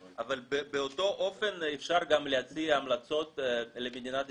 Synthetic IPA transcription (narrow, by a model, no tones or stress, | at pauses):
avalbebeoto̞ʔo̞fenefʃaʁɡamlehat͡siamlat͡so̞t̪lemed̪inat̪